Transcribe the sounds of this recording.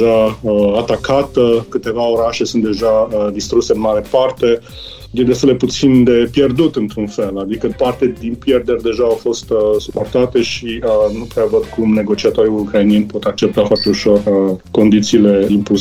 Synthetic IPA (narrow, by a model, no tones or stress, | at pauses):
ʒaəat̪akʰat̪əkɨt̪e̞vao̞ɾaʃe̞sunt̪d̪e̞ʒaəd̪ist̪ɾuse̞ɨnmaɾe̞part̪e̞ | jed̪east̪eld̪eput̪sind̪e̞pje̞rd̪ut̪ɨnt̪ɾunfe̞lad̪ikəpart̪ed̪inpjerd̪eɾʲd̪e̞ʒaːwfo̞st̪əsupo̞rt̪at̪e̞ʃiənupɾeavəd̪kumne̞ɡo̞t͡ʃiat̪o̞ɾiukɾainijenʲpo̞t̪ak̚t͡ʃep̚t̪afoart̪e̞uʃo̞rəko̞nd̪it̪siːle̞impus